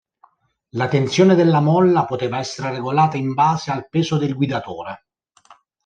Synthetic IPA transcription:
lat̪ent̪sjoːned̪elːamɔlːapot̪eːvaɛsːeɾereɡolaːt̪aimbaːzealpeːzod̪elɡwid̪at̪oːɾe

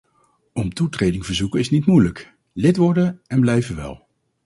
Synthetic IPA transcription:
ɔmtutrejdɪŋvəɹzukəɪsnitmujlək | lɪtʋɔɹdənɛnblɛjvəʋɛ̰lˠ

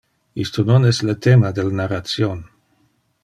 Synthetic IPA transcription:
ist̪ononɛslət̪emad̪elnarat̪sjon

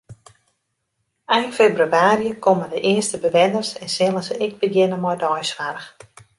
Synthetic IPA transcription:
ɛjnfebryaːɾjəkʰomədəʔɪəstəbəʋɛnərsɛnsɪlˠəsəɪɡ̚bəɡjɪnəmɔjdɔjsʋarəx

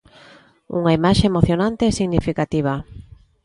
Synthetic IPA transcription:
ṵŋaimaʃeemoθjonant̪eɛsiɣnifikat̪iβ̞a

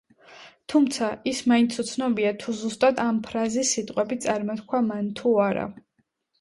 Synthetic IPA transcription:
t̪ʰumt̪sʰaismaint̪sʰut̪sʰnɔbiat̪ʰuzust̪ʼad̪ampʰɾazisːit̪ʼqʼwɛbit̪sʼaɾmɔt̪kʰwamant̪ʰuaɾa̰

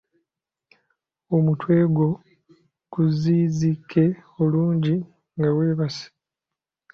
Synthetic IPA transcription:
omutwe̞ːɡwo̞ | kuziːzikʰːe̞oluːɲɟi | ŋɡaweːβasi̥

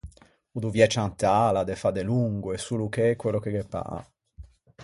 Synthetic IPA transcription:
ud̪uvjɛt͡ʃant̪ːalad̪efad̪eluŋɡuesulukekːwelokeɡepːa̰

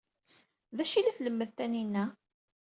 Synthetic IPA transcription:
ðæʃilæθləmːəðt̪æninːæ

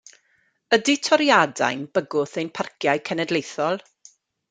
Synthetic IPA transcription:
ədɪtʰɔɾjada̰jnb̥əɡʊθejnpʰarkʰjajkʰɛnɛdlejθɔlˠ

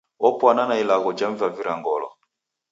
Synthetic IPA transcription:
ɔpwananailaɣɔd͡ʒaɱvaviɾaŋɡɔlɔ̰

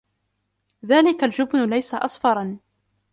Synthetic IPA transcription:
ðaːlɪkald͡ʒʊbnʊlajsaʔɑ̰sˤfɑɾˤɑn

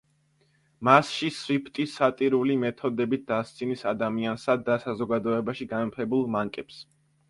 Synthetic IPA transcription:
masʃisvipʰt̪ʼisːat̪ʼiɾulimɛt̪ʰɔd̪ɛbit̪̚ʰd̪̥ast̪sʰʼinisad̪amiansad̪ːasazɔɡad̪ɔɛbaʃiɡanmpʰɛbulˠmaŋkʼɛps

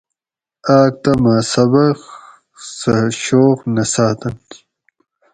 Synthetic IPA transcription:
aːk̚t̪ɐmaːsɐbɐχ | sɐɕoːqnɐsaːt̪ɐn

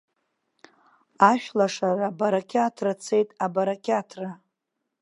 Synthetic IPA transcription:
aʃᶣlaʂarabaɾakʲʰatʰrat͡sʰe̞jtʼabaɾakʰʲatʰra

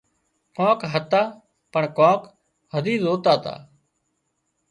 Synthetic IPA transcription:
kõːkɦət̪aː | pəɳkõːk | ɦəd̪iːzoːt̪aːt̪a̰ː

